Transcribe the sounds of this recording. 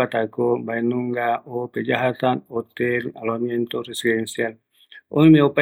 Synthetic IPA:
at̪akobajnuŋɡaoped͡ʒaɦat̪anot̪elaloamjent̪oresidensial | o̰mimeopa

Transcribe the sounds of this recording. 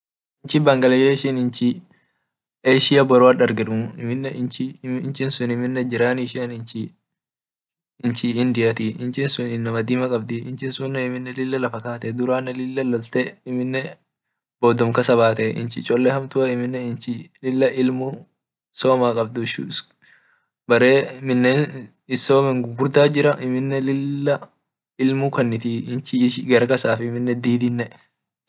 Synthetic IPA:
ɪnt͡ʃɪbɐŋɡɐlɛʃeːʃɪnɪnt͡ʃɪ | eːʃɪjɐbɔɾʊɐɗɐɾɡɪᶑ̪ʊmʊɪmɪnːɛɪt͡ʃɪnt͡ʃɪnsʊnɪmɪnːɛd͡ʒɪɾaːniʃɪɐnɪnt͡ʃɪ | ɪnt͡ʃɪɪnd̪ɪjɐt̪ɪɪnt͡ʃɪnsʊnɪnːɐmɐd̪iːmɐkʼɐb̚d̪ɪɪnt͡ʃɪnsʊnːɛɪmɪnːɛlɪlːɐlɐfɐkaːt̪ɛd̪ʊɾaːnːɛlɪlːɐlɔlt̪ɛɪmɪnːɛ | b̥oːd̪ɔmkɐsɐβaːt̪ɛʔɪ̰nt͡ʃɪ̰t͡ʃʼɔlːɛhɐmt̪ʊʔɐɪmɪnːɛɪnt͡ʃɪlɪlːɐʔɪlmʊ | so̞ːmaːkʼɐb̚d̪ʊɪʃṵ | bɐɾeːmɪnːeːn | ɪsoːmɛŋɡɡʊɾd̪aːd͡ʒɪɾɐʔɪmɪnːɛlɪlːɐ | ɪlmʊkɐnːɪt̪iːɪnt͡ʃɪʃɡɐɾɐkɐsaːfɪmɪnːɛd̪iːd̪ɪnːɛ

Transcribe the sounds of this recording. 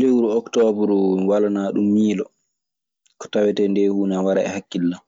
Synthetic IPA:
dɛwuɾuɔktɔbuɾwalanaːɗumːiːlɔ̰ | kɔ̥tawɛtɛndɛhuːnawaɾa̰ɛ̰hakːilːa

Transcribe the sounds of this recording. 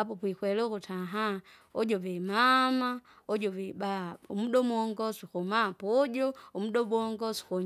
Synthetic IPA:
apopwixweloxutʰaɦa | od͡ʒoβemamaod͡ʒoβebaomuɗomwoːŋɡosixomapoɟoomudoboŋɡosi̥xoɲ

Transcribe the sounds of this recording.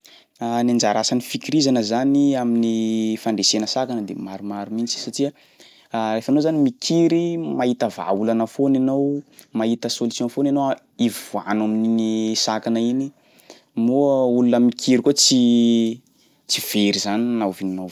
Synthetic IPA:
anand͡ʒaɾasanifikiɾizanəzaniaminifaɳdesenəsakanəd̪ḛmaɾumaɾumit͡si̥saʈ͡ʂiə | refanozanimikʰiɾimait̪əva̰ulanəfonanowmait̪əsolisjɔ̃nfonanowa | ivivuanamininisakanəini | muulunəmikʰiɾikot͡si | t͡siv̥eɾizaninavininow

